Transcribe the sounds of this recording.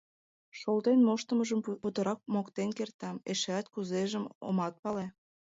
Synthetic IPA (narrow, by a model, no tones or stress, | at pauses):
ʃolt̪enmoʃt̪əməʒəmput̪əɾɑk̚mokt̪enkert̪ɑmeʃeæt̪̚kuzeʒəmo̰mɑt̪̚pɑle